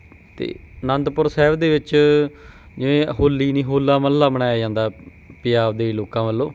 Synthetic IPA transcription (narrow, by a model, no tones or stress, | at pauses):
t̪ḛːnə̃nd̪pʊɾsɛːʋd̪eːʋɪt͡ʃ | d͡ʒɪnẽːəɦoːlːiːnĩːɦoːlːaːməlːaːbənaːjaːd͡ʒãːnd̪aː | pɪjaːʋd̪eːiːloːkãːməlːoː